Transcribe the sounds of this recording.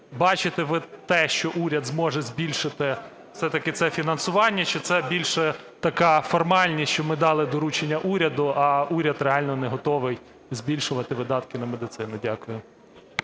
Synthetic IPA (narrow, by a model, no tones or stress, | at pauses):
bɑt͡ʃɪt̪ɪʋɪt̪ɛʃt͡ʃɔʔuɾʲɐd̪zmɔʒɛzʲbʲilʲʃɪt̪ɪ | fsɛt̪ɐkɪt̪sɛfʲinɐnsʊʋɑnʲːɐt͡ʃɪt̪sɛbʲilʲʃɛ | t̪ɐkɑfɔrmɑlʲnʲisʲt͡ʃɔmɪd̪ɑlˠɪd̪ɔɾut͡ʃenʲːɐʔuɾʲɐd̪ʊɐuɾʲɐd̪reɑlʲnɔnɛɦɔt̪ɔʋɪj | zbʲilʲʃʊʋɐt̪ɪʋɪd̪ɑt̪kɪnɐmed̪ɪt̪sɪnʊdʲakʊjʊ